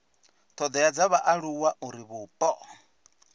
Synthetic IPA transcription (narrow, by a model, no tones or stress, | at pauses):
t̪ʰɔd̪ɛjad͡zaβaʔaɺuwaʔuɾiβuːpʼɔ